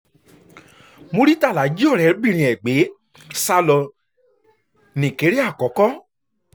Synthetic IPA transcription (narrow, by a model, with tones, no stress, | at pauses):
mo˧ɾi˦ta˦˨la˨˦d͡ʒi˦ɔ˦˨ɾɛ˨˧˦ɾbĩ˦˨ɾ̃ĩ˨ɛ˨ɡ͡be˨˦ | sa˧lɔ˧ | nĩ˨ke˨˦ɾi˦a˦˨kɔ˨˦kɔ˦